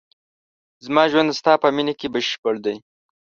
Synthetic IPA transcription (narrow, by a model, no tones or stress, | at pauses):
zmɑːʒwand̪st̪ɑːpəminekebɪʃpəɽd̪aj